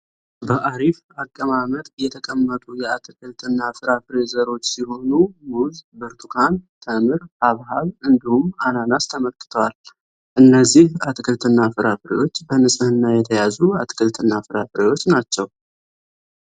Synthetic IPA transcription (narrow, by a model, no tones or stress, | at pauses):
bəʔaɾif | akʼːəmamət̪ʼjɛt̪ʰəkʼəmːət̪ʼujɛat̪ʰɨkʰɨlt̪ʰɨnːafɨɾafɨɾezəɾo̞t͡ʃːsiho̞numuzbɨɾt̪ʰukʰant̪ʰəmɨɾaβɦaβɨnd̪ihumananast̪ʰəməlkʼɨ̥t̪ʰəwal | ʔɨnːəzːihat̪ʰɨkʰɨlt̪ʰɨnːafɨɾafɨɾḛwo̞t͡ʃːbənɨsʼɨhɨnːajɛt̪ʰəjazuat̪ʰʼɨ̥kʰʼɨlt̪ʰɨnːafɨɾafɨɾewo̞t͡ʃːnat͡ʃːɛw